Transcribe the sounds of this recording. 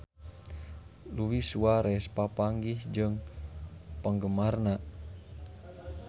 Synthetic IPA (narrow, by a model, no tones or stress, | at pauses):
luwisuaɾɛspapaŋɡihd͡ʒɨŋ | pəŋɡəmarna